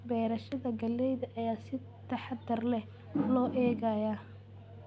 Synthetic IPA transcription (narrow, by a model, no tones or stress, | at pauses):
bɛːɾɐʃɐðɐɡɐlɛjðɐʔɐjaːsɪ | t̪ʰɑħɑd̪ɐrlɛ | lɔːʔɛːɣɐjaː